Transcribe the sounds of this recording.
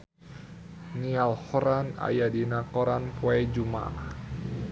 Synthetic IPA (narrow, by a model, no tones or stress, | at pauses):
nialhɔɾana̰jadinakɔɾanpwɛd͡ʒuma̰